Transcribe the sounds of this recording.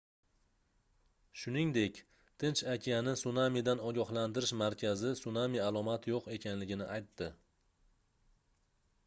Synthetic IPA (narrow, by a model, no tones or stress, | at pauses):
ʃʊnɪŋd̪e̞kʲ | t̪ʰɪnt͡ʃakʲʰijanɪsʊnamid̪anɒɡʲɒɦland̪ɪɾɪʃmaɾkʲʰazɪsʊnamialˠɒmat̪ʰjoqe̞kʲʰanlɪɡʲɪnɪ̰ʔajt̪ʰːɪ